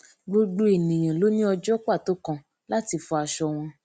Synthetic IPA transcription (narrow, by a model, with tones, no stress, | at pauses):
ɡ͡bo˧ɡ͡bo˦e˨nĩ˨j̃ã˨lo˦nĩ˦ɔ˧d͡ʒɔ˦kʷa˦˨to˦kã˦ | la˦ti˧fɔ˧a˧ʃɔ˧w̃ɔ̃˧